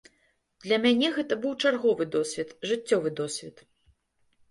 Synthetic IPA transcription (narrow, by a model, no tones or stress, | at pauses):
d̪̥lʲɐmʲanʲɛɣɛt̪ɐbɨwt͡ʂarɣɔvɨd̪ɔsʲvʲit̪ʐɨt͡sʲːɔvɨd̪ɔsʲvʲit̪